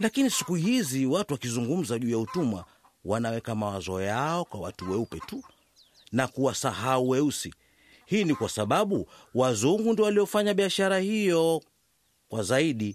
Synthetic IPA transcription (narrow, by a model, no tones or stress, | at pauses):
lakinisikuhiziwatuwakizuŋɡum̩zaʄuːjautuma | wanawɛkamawazɔjaɔkwawatuwɛupɛtu | nakuwasahauwɛusḭ | hiːnikwasaɓaɓuwazuŋɡundiɔwalijɔfaɲaɓiaʃaɾahijɔ | kwazaiɗi